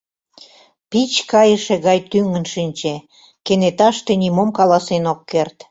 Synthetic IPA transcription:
pit͡ɕkɑjəʃĕɣɑjt̪yŋənʃinʲt͡ɕe | kenet̪ɑʃt̪enimomkɑlɑsenokːert̪

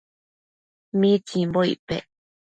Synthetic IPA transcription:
mit͡ʃimboḭpḛ

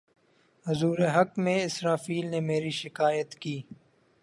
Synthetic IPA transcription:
hʊzuːɾeɦɐkmẽɪsɾaːfiːlnemeːɾiʃɪkaːjət̪kiː

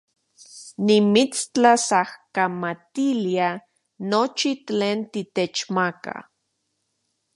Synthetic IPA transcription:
nimit͡st͡ɬasahkamat̪ilia | not͡ʃit͡ɬeːnt̪it̪et͡ʃmaka̰

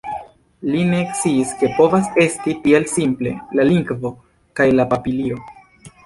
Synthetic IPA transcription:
line̞kt͡siːske̞po̞vase̞stitie̞lsimple̞̰laliŋɡvo̞ | kajlapapilio̞

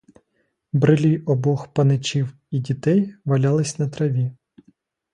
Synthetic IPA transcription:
bɾɪlʲijɔbɔxpɐnɪt͡ʃʲiw | idʲit̪ɛjʋɐlʲɑlˠɪsʲnɐt̪ɾɐʋʲi

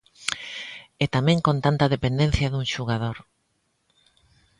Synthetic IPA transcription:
et̪amẽŋkont̪ant̪ɐðepẽnd̪ẽn̟θjɐðuŋʃuɣað̞oɾ

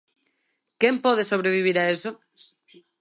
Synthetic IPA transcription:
kempɔðesoβ̞ɾeβ̞iβ̞iɾaeso

